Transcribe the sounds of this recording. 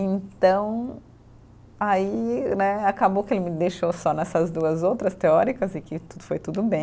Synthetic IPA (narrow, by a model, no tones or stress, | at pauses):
ẽnt̪ɐ̃w̃ | ainɛakabowkɪelɪmɪd̪ejʃosɔnɛsɐzd̪uɐzowt̪ɾɐst̪eɔɾikɐzɪkɪt̪ud̪ʊfojt̪ud̪ʊbẽj̃